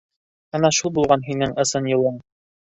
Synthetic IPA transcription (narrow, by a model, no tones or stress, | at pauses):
ɤnɑʃulˠbulˠʁɑnɦinɘŋʔɤ̆sɤnjɤ̆lˠɤɴ